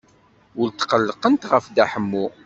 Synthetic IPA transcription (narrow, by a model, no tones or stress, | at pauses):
ʊlt̪qəlːəqənt̪ʁəfd̪aħəmːu